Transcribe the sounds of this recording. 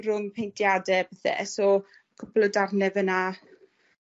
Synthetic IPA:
rʊŋpʰejntʰjadɛpɛθɛ̰ʔɛsɔ | kʰʊplˠɔdarnɛvəna

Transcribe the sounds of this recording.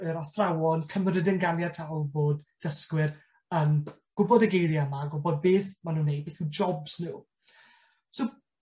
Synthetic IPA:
əɾɔθrawɔnkʰəmɾədɪnɡalˠjatʰawlˠboːdd̥əskwɪr | əmɡ̥ʊbɔdəɡejɾjamaɡʊbɔd̚beːθmanuːnːejd̚beːθud͡ʒɔbsnɪː | sow

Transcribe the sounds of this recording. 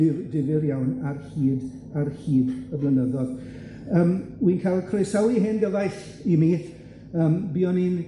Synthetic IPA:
ɪdɪvɪrjawnarhiːd | arhiːdəblˠənəðɔð | əːmwinkʰalˠkʰresawiɦenɡəðajɬ | imiː | əːmbiɔnin

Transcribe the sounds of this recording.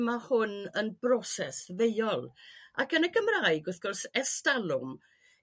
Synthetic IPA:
mahʊnənbrɔsɛsvejɔlˠakənəɡəmraɨɡʊθɡ̥ɔrsɛstalˠʊm

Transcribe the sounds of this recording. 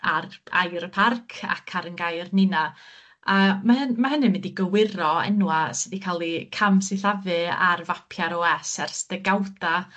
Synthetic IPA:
ara̰jɾəpʰarkʰa̰kʰaɾənɡajrnɪna | əmaəmaɦənɨmɛdiɡəwɪɾɔɛ̰nwasədikʰalˠikʰamsɪɬavɨa̰rvapʰjaɾɔɛsɛrsd̥əɡawda

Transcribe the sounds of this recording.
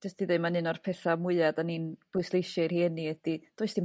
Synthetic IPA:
d͡ʒɛstʰiðemanɨnɔrpʰɛθamʊɨadaninb̥ʊjslˠejʃɪrhiːnːiɛd̥id̥oːɨsd̥ʰin

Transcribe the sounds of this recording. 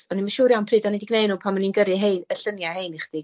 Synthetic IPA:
ɔnimaʃuːɾjawnpʰriːdɔnidɪɡnejnuːpʰanmaninɡəɾɨɦeɨnəɬənjahejniχd̥ɪɡ

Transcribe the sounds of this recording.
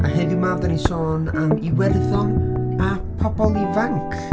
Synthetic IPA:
aɦɛðɪmavdanisɔːnamiwɛrðɔnapʰɔbɔlˠivaŋkʰ

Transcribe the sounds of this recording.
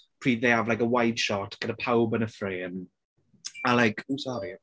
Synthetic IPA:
pʰr̥iːðeːavlajkəwajd̥ʃɔtʰɡ̥ənəpʰawbənəfreːm | alajkʰuːsɔɾi

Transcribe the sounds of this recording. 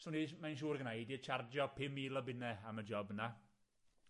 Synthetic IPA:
suːnimajnʃuːɾɡnajdiət͡ʃʰard͡ʒjɔpʰɪmiːlˠɔbɪnɛaməd͡ʒɔbəna

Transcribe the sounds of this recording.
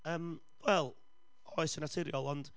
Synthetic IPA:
əːm | wɛlˠ | ɔɨsənatʰɪɾjɔlˠɔnd̥

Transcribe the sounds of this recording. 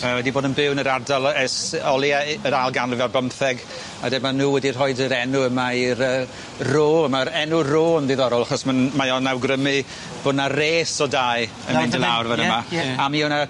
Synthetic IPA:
əwɛdiboːdənbɪwnəɾardalˠɛsɔlˠjaəɾalˠɡanrɪvɛbəmθɛɡ | a̰dɛmanuːwɛdir̥ɔjdəɾɛnuəmaiɾəː | roːəmaɾɛnuroːnðiðɔɾɔlˠaχɔsmanmajɔnːawɡrəmɨ | b̥ʊdnareːsɔdaj | ə̰nɪndəlˠawrvanəmaamiɔna

